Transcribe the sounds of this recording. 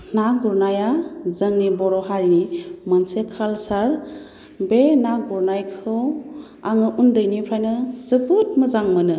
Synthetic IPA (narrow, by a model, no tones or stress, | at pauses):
naɡuɾnajazəŋnibɔɾɔɦaɾinimənsekʰalsaɾ | benaɡuɾnajkʰɯ | aŋɯʔundəjnipʰɾajnɯzɯbut̚mɯzaŋmɯnɯ